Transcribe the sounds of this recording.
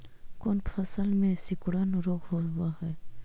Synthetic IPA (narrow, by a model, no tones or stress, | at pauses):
koːnpʰəsəlmẽsɪkɽənɾoːkʰɦoɦʊwaɦɛː